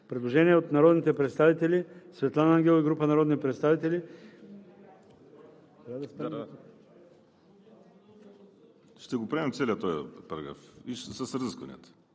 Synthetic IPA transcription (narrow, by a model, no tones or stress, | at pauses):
pɾɛd̪lˠoʒɛniɛot̪naɾɔd̪nit̪ɛpɾɛt̪st̪avit̪ɛlʲisvɛt̪lˠanaŋɡʲɛlˠoiɡɾupənaɾɔd̪nipɾɛt̪st̪avit̪ɛlʲi | ɾad̪ɐspɾam | ʃt̪ɛɡopɾɛmɛmt̪sɛliət̪ɔjəpɐɾɐ̰ɡɾa̰fiʃsɐsɾzəskɐnḭət̪